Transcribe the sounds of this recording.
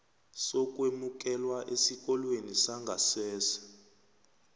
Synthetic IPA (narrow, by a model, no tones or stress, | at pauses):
sɔk̬ʼwemuk̬ʼɛlwaʔesik̬ʼɔlwenisaŋɡʱasɛːsḁ